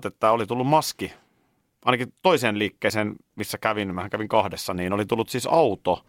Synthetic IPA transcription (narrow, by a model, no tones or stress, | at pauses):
t̪et̪ːæolit̪ulːummɑski | ʔɑˑinɑkit̪oiseːnliːkːeˑːseːnmisːækæʋinmæhæŋkæʋiŋkɑhdesːɑniːnolit̪ulːut̪siːsɑut̪o